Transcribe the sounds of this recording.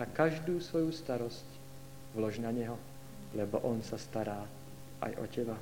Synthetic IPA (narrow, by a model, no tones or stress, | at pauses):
akaʒd̪uːsvojust̪aɾɔsc | vlɔʒnaɲɛɦɔ | lɛbɔʔɔnsast̪aɾaː | ʔa̰jʔɔ̰cɛba